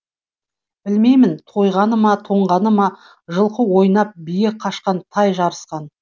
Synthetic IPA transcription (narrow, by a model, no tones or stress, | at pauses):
b̥ɪlme̞jmɪnt̪ʰo̞jʁɑnəmɑt̪ʰo̞ɴʁɑnəmɑ | ʒəlˠqəwo̞jnɑp̚bijɪk̚qʰɑʃqɑnt̪ʰɑjʒɑɾəsqɑn